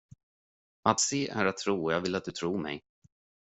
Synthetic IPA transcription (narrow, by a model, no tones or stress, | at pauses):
at̪seːʔæɾat̪ʰːɾuːɔjɑːɡvɪlat̪̚d̪ɵt̪ʰɾuːɾmɛ̰j